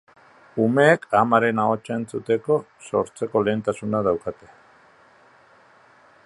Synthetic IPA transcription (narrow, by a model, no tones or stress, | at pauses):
ume̞ːkʰamaɾe̞nao̞t͡ʃae̞nt͡sut̪e̞ko̞ | so̞ɾt͡se̞ko̞le̞ːnt̪asunaðawkat̪e̞̥